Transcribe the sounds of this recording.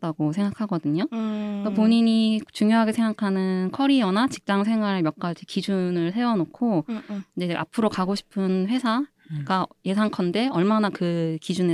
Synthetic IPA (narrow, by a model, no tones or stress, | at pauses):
t͈aɡosʰe̞ŋɡakʰaɡʌdɯɲokapoɲiɲit͡ɕuŋjoɦaɡesʰe̞ŋɡakʰanɯnkʰʌɾiʌnat͡ɕi̥k̚t͡ɕ͈aŋs̬ʰe̞ŋɦwaɾemjʌk̚k͈aɭt͡ɕʰikid͡ʑunɯɭse̞ʌnokʰoind͡ʑe̞ʔa̰pʰɯɾokaɡoɕʰi̥pʰɯnɸwe̞sʰaɡaje̞sʰaŋkʰʌnde̞ʌɭmanakɯkid͡ʑune